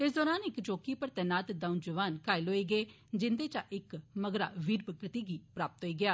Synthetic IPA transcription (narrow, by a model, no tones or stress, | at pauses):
ɪs̬d̪ɔːɾaːnɪkt͡ʃoːkiːpəɾt̪ɛːnaːt̪d̪aʊ̃nd͡ʒəʋaːnkaːiloːiːɡəeː | d͡ʒɪnd̪eːt͡ʃaʔɪkməɡɾa̰ːʋiːɾbɡət̪iːɡiːpɾaːpət̪ɦoːiːɡɪjaː